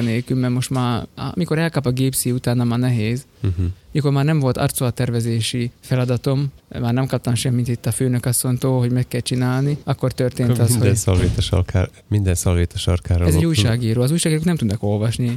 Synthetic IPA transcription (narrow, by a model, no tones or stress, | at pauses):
neːlkymmɛrmo̞ʃt̪ma̰ːmiko̞ɾɛlkɒpɒɡeːpsiut̪aːnːɒmanɛɦeːzmiko̞rmaːrnɛɱvo̞lt̪ɒ̰rt̪soɒt̪ɛrvɛzeːʃifɛlɒd̪ɒt̪o̞mmaːrnɛmkɒp̚t̪ɒmʃɛmːint̪it̪ːɒføːnø̞kɒsːo̞nt̪oːɦo̞ɟmɛkːɛlt͡ʃinaːlniɒkːo̞rt̪ørt̪eːnɒshonsɔlʋeːt̪ɛʃɔ̰rka̰ː | mind̪ɛnsɒlveːt̪ɔʃɒ̰rkaːɾoɛzɛɟuːjʃaːɡiːɾoːɒzuːjʃaːɡiːɾoːknɛmt̪ud̪nɒko̞lvɒʃni